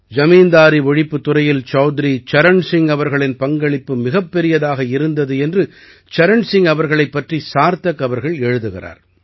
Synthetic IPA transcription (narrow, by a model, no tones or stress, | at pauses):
d͡ʒɐmiːnd̪aːɾiʋɔɻɪpːɯt̪ːʊɾɐjɪlt͡ʃɐːd̪ɪɾit͡ʃɐɾɐɳsɪŋɐʋɐɾɣɐɭɪnpɐŋɡɐɭɪpːɯmɪɣɐpːɛɾɪjɐðaːɣɐɪɾɯnd̪ɐðɯɛndrɯ | t͡ʃɐɾɐɳsɪŋɡɐʋɐɾɣɐɭɐɪpːɐʈrisaːɾt̪ɐkːɐʋɐɾɣɐɭɛɻɯðɯɣɪ̰ra̰ːɾ